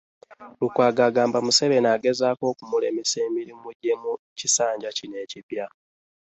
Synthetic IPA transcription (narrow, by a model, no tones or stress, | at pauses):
lukwaːɡaːɡaːmbamuse̞βe̞naːɡe̞zaːko̞ːkumuleːmiseːmiɾimuɟe̞mu | cisaːɲɟacine̞ːcipja